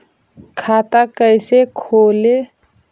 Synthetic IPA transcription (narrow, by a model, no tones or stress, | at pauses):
kʰaːt̪akəɪsekʰoːle